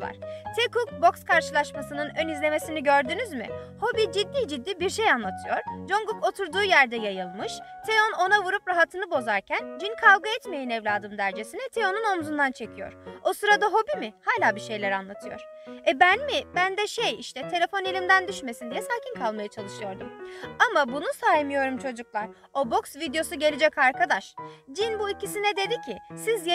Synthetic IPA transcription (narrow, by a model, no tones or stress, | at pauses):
va̰ɾ̥t̪ʰekuk̚bo̞kskʰaɾʃɯlˠaʃmasɯnɯnø̞nizlʲeme̞siniɟø̞ɾd̪ynyzmḭho̞bid͡ʒid̪ːiːd͡ʒid̪ːiːbiɾʃejanlˠat̪ʰɯjo̞ɾ̥d͡ʒo̞ŋɡuko̞t̪ʰuɾd̪uːjæɾd̪ɛjajɯlˠmɯʃ | t̪ʰeono̞navuɾupɾaɦat̪ʰɯnɯbo̞zaɾcʰænd͡ʒinkʰavɡaɛt̪me̞jinɛvlʲaːd̪ɯmd̪æɾd͡ʒe̞sinɛt̪ʰeonuno̞mzund̪ant͡ʃʰe̞cʰijo̞̰ɾ̥o̞sɯɾad̪aɦo̞bimɪhaːlʲaːbiʃe̞jlʲæɾanlˠat̪ʰɯjo̞̰ɾ̥ | ɛbænmɪbænd̪ɛʃejiʃt̪ʰɛt̪ʰe̞lʲe̞fo̞nelʲimd̪ænd̪yʃme̞sind̪ijɛsaːcʰinkʰalˠmajat͡ʃʰalˠɯʃɯjo̞ɾd̪umamabunusaːimijo̞ɾumt͡ʃʰo̞d͡ʒuklˠaɾ̥ | o̞bo̞ksvid̪ejo̞suɟelʲid͡ʒɛcaɾkad̪aʃd͡ʒinbuicisinɛd̪e̞d̪icʰisizj